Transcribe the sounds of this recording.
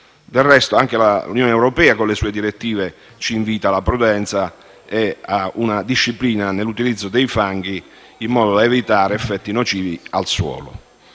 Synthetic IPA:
d̪erːɛst̪oaŋk̟elaṵnjoːneɛwɾopɛːakonlesuːed̪iɾet̪ːiːve | t͡ʃiːɱviːt̪alapɾud̪ɛnt̪sa | eaunad̪iʃːipliːnanelːut̪ilid̪zːod̪ejfaŋɡ̟iː | mːɔːd̪od̪aevit̪aːɾeɛfːɛt̪ːinot͡ʃiːvia̰lswɔ̰ːlʊ̰

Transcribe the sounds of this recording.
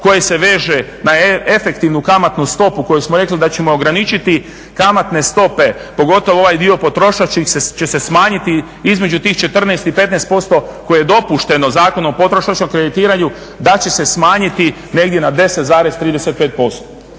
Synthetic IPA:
ko̞jese̞ʋe̞ːʒenaefe̞kt̪iʋnukamat̪nust̪o̞puko̞jusmoɾe̞klid̪at͡ɕe̞mooɡɾanit͡ʃit̪i | kamat̪ne̞st̪o̞pe̞po̞ɡo̞t̪o̞ʋooʋajd̪io̞pot̪ɾo̞ʃat͡ʃixset͡ʃe̞sesmaːɲit̪i | izme̞d͡ʒut̪iːxt͡ʃe̞t̪r̩neːst̪ipe̞t̪neːst̪po̞st̪o̞ko̞jejed̪o̞puʃt̪e̞no̞zaːko̞noopo̞t̪ɾoʃat͡ʃomkɾe̞d̪it̪iːɾaɲu | d̪at͡ɕe̞se̞smaːɲit̪i | ne̞ɡd̪je̞nad̪e̞set̪zaːɾe̞zt̪ɾiːd̪eset̪̚peːt̪̚po̞st̪o

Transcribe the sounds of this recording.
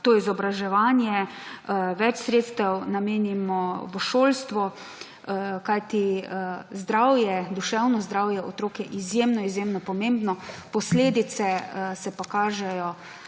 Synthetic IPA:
t̪oːizɔbɾaʒɛʋaːnjɛ | ʋɛt͡ʃsɾeːt̪st̪ɛwnameːnimɔʋəʃoːlst̪ʋɔ | kajt̪i | zd̪ɾawjɛd̪uʃɛwnɔzd̪ɾaːwjɛʔot̪ɾoːkjɛʔizjemnɔizjemnɔpɔmeːmbnɔpɔsleːd̪it̪sɛsɛpakaːʒɛjɔ

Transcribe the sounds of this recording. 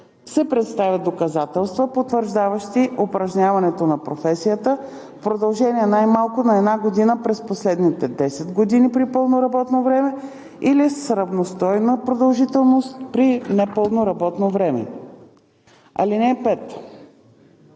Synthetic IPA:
sɛpɾɛt̪st̪avʲjəd̪okɐzat̪ɛlˠst̪vəpot̪vəɾʒd̪avəʃt̪iʔopɾɐʒnʲavɐnɛt̪onɐpɾofɛsijət̪ə | fpɾod̪ɐlˠʒɛniɛnajmalˠkʊnɐɛd̪naɡod̪inəpɾɛsposlɛd̪nit̪ɛd̪ɛsɛd̪ɡod̪inipɾipɤlˠnoɾɐbɔt̪novɾɛmɛ | ilisɾɐvnost̪ɔjnəpɾod̪ɐlˠʒit̪ɛlˠnost̪pɾinɛpɤlˠnoɾɐbɔt̪novɾɛmɛ̰ | ɐ̰linɛpɛt̪

